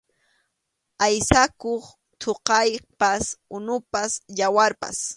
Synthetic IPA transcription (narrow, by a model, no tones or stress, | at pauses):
ajsakoχ | t̪ʰoqɑjpasʊnʊpasʎawaɾpa̰s